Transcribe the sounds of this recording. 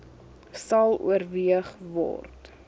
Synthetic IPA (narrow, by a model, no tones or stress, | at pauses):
sɐlˠṵərviəχvɔ̰rt